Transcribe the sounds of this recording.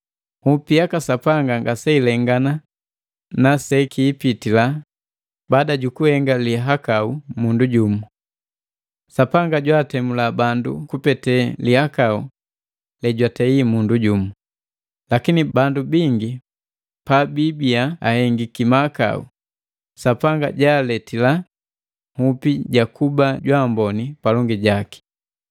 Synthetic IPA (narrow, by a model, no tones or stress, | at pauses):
hupijakasapaŋɡaŋɡasɛilɛŋɡana | nasɛkʰiːpitila | baːdaɟukuhɛŋɡaliɦakaumunduɟumu | sapaŋɡaɟwaːtɛmulabandṵkupɛtɛlihakau | lɛɟwatɛimunduɟumu | lakinibandubiŋɡi | pabibiaa̰hɛŋɡikimaka̰ṵ | sapaŋɡa̰ɟaːlɛtila | hupiɟakubaɟwaːmbɔnipalɔŋɡiɟaki̥